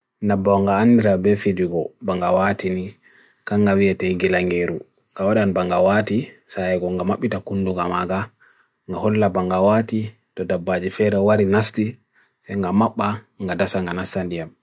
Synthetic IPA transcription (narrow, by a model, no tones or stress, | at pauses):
nabaŋɡaːndɛɾabɛfidiɡɔbaŋɡawatini | kaŋɡawiɛtajɡilaŋɡeɾu | ŋɡawaɗanbaŋɡawatisajɛɡɔŋɡamaɓːitakunduŋɡamaɡa | ŋɡahɔlːabaŋɡawati | tɔdabːad͡ʒifɛɾɛwaɾinasti | sɛjŋɡamaɓːa | ŋɡadasaŋɡanastandijam